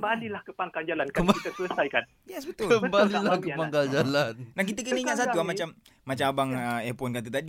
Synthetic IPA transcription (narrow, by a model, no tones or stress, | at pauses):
mbalilahkəpaŋkand͡ʒalankəit̪əsləsajkan | jɛsbət̪uəmbalilahkəpaŋkald͡ʒalannahk̬it̪ək̬əniɲaʔsat̪uamat͡ʃam | mat͡ʃaabaŋəɛpɔnkat̪̬ut̪adi